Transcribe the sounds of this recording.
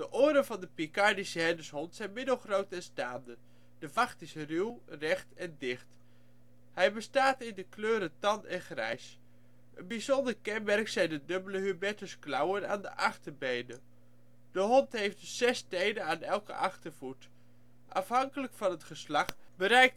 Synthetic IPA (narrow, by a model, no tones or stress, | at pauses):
d̥əʔoːɾənvɑndəpikɑɹdisəɦɛndəsɦɔntsɛjnmɪdəlˠχrowtɛnstaːndə | d̥əvɑχtɪsrywrɛχtɛndɪχt | hɛjbəstaːtɪndəkløːɾətɑnɛnχrɛ̰js | ʔənbizɔndəɹkɛnmɛrksɛjndədɵbələɦybɛtəsklɑwəna̰ːndə̰ʔɑχtəɹbejnə | d̥əɦɔntɦejftdssɛstejdənaːnɛlˠkə̰ʔɑχtəɹvut | ʔɑ̰fɦɑŋkələkfɑnɦətχəslɑχbəɾɛjk̚t